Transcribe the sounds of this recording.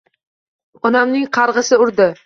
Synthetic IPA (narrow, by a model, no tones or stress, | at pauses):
ɒnamnɪŋqʰɑɾʁɨsɪʊɾd̪ɪ